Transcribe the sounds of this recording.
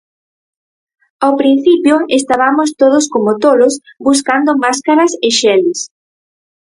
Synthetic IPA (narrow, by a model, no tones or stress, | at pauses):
awpɾin̟θipjʊest̪aβamost̪oðʊskomot̪oɾʊsbus̬kand̪ʊmaskaɾɐsɪʃɛlɪs